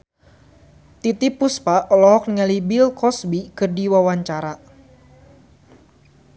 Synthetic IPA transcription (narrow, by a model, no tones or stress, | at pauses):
t̪it̪ipuspaʔɔlɔɦɔk̚niŋalibilkɔsbikɨrdiwawaɲt͡ʃaɾa